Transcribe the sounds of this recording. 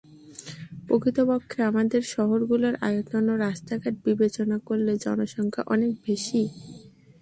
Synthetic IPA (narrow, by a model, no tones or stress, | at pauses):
pokit̪opokʰːeamad̪eɾʃɔɦoɾɡuloɾʔa̰jotonoɾaʃt̪aɡaʈ̪̚bibet͡ɕonakoɾled͡ʑɔ̰noʃɔŋkʰa̰ʔɔnek̚beʃi